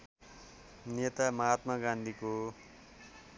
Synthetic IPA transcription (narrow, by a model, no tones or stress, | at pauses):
net̪amʌɦat̪mʌɡãnd̪ʱiko